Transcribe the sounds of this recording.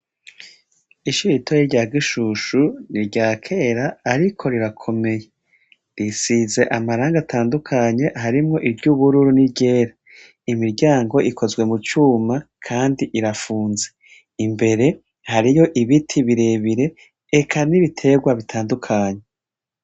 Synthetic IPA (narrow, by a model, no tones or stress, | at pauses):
iʃiɾitʰojiɾɟaːɡiʃuʃuniɾɟaːkʰeːɾaːɾikʰo̞ɾiɾakʰo̞me̞je | ɾisize̞ʔamaɾaːŋɡatʰaːndukʰaɲe̞ʔhaɾimŋo̞ʔiɾɟuβuɾuɾuniɾɟe̞ːɾa | imiɾɟaːŋɡo̞ʔikʰo̞zɡwe̞mut͡ʃuːmakʰaːndiʔiɾafuːnze̞ | imbe̞ɾe̞ | haɾijo̞ʔiβitʰiβiɾe̞βiɾe̞ː | kʰaniβitʰe̞ɡwaβitʰaːndukʰaːɲe̞